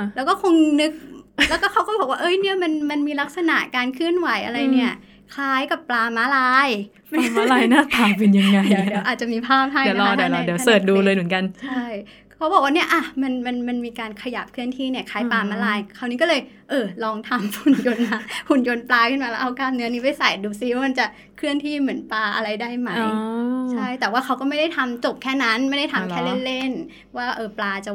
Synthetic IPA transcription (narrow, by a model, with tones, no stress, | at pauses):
lɛː˦˥wkɔː˥˩kʰo˧ŋnɯ˦˥k̚lɛ˦˥kɔː˥˩kʰa˦˥wkɔː˥˩bɔː˨˩k̚waː˥ʔɤː˧˥jni˥˩ɐma˧nma˧nmiː˧la˦˥k̚sa˧na̰˨˩ʔkaː˧nkʰɯ˥˩ənwa˩˦jʔa̰˧ɾa˧jni˥˩ɐ | kʰaː˦˥jka˨˩pːlaː˧maː˦˥laː˧˥j | ma˦˧maː˦˥laː˦jjnaː˥˩p̪aː˨˩p̬e˧nja˧ŋːa˧jdwʔaː˨˩t̪̚t͡ɕa˨˩miː˧pʰaː˥˩p̚ɦa˥˩jlɔa˧dɔ˧˥dwsɤː˨˩t̪̚duː˧lɤː˧jmɯ˩˦nka˧nt͡ɕʰa˥˩j | kʰːa˦˥bɔː˨˩kwaː˥ni˥˩ɐʔa˧˩ma˧nma˧nma˧nmiː˧kaː˧nkʰa˧ja˨˩p̚kʰɯ˥˩əŋt̪ʰiː˥˩ni˥˩ɐkʰaː˨˥jpaː˧ma˧˩laː˧jkʰa˧˩wni˦kɔ˥˩lɤː˧j | ʔɤː˧lɔː˧ŋt̪ʰa˧mfu˨˩njo˧na˧˩hu˨˩njo˧nplaː˧kʰɯ˥˩nmaː˧ɛː˦˥ʔa˧wkaː˧˩m̚nɯ˦˥ɐniː˦˥pa˧˥˩jsa˨˩jduː˧si˧˦waː˥˩ma˧nt͡ɕa˨˩ | kʰɾɯ˥˩əŋt̪ʰiː˥˩mɯ˩˦ənplaː˧ʔa˧ɾa˧jdaː˥˩jma˦˥jt͡ɕʰa˥˩jt̪ɛː˨˩waː˥˩kʰa˦˥wkɔː˥˩ma˥˩jda˥˩jt̪ʰa˧mt͡ɕo˨˩p̚kʰɛː˥˩na˦˥nma˥˩jda˥˩jt̪ʰa˧mkʰɛː˥˩le˥˩nle˥˩n | waː˥˩ʔɤː˧˩plaː˧t͡ɕa˨˩